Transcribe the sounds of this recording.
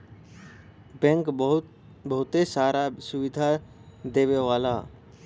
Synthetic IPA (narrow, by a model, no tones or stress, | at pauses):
bɛ̃ŋkɦ | bɐɦʊt̪esaːɾasʊʋɪd̪ʱad̪eːʋeʋaːlaː